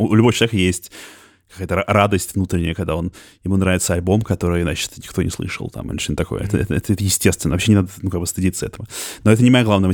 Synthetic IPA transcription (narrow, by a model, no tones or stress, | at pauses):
oʊlʲʊboət͡ɕɪlˠvʲekəjesʲtʲ | kɐ̥kajət̪əɾad̪əsʲtʲvnut̪ɾʲɪnʲɪjəkɐɡ̚d̪ao̞n | jɪmunɾavɪt̪səɐlʲbo̞mkɐt̪o̞ɾɨjzat͡ɕɪ̥t̪nʲɪkt̪o̞nʲɪ̰slˠɨ̰ʂə̰lˠt̪a̰m̰lʲḭt͡ɕɪnət̪ɐkojəɛ̰t̪əɛ̰t̪əɛ̰t̪əɛt̪əjɪsʲtʲest̪vʲɪnəvɐpɕenʲɪnad̪ənukaɡ̚bəɨst̪ɨdʲit̪səɛt̪əvənoɛt̪ənʲɪmɐjeɡlˠavnəvə